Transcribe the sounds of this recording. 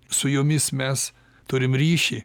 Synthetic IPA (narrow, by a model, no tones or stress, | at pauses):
sʊjʊmʲɪsmʲɛs | t̪ʊɾʲɪmɾʲiːʃʲiː